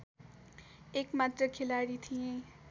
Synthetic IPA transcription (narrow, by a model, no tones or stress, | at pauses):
eːkmaːt̪ɾəkʰɪlaːɽit̪ʰiẽ